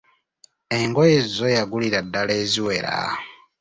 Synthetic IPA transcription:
eŋɡojezo̞jaɡuliɾadːale̞ːziwe̞ɾa̰

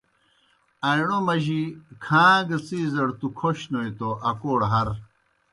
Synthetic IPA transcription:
ɐjɳomɐʑikʰãːɡɐt͡siːzɐɽt̪ukʰoɕnoit̪oʔɐkoːɽɦɐɾ

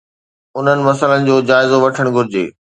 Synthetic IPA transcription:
ʊn̤ənɪ̆mɐs̬ələnɪ̆d͡ʑoːd͡ʑaːɪzoʋɐʈʰəɽ̃ɡʱʊɾɪd͡ʑḛː

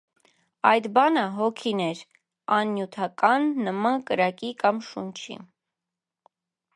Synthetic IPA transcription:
ɑ̰jd̪bɑnəɦɔkʰinɛɾ | ɑnːjut̪ʰɑkɑnːəmɑnkəɾɑkikɑmʃunt͡ʃʰḭ

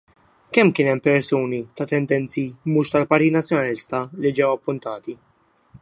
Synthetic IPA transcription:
kɛmkɪːnɛmpɛɾsuːnit̪ɐt̪ɛnd̪ɛnt͡simuːʃt̪ɐlpɐɾt̪iːt̪nɐt͡sːjɔnɐlɪst̪ɐlid͡ʒɛwɐpːʊnt̪ɐːt̪i

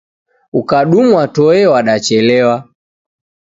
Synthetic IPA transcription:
ukaɗumuwatɔɛwaɗat͡ʃɛlɛwa

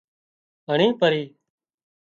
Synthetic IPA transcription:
ɦəɳ̃ĩːpəɾiː

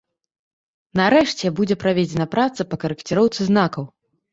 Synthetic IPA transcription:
nɐɾɛʂt͡sʲɛbud͡zʲɛpɾavʲed͡zʲɛnɐpɾat̪sɐpɐkɐɾɨkt͡sʲiɾɔwt̪sɨznakɐw

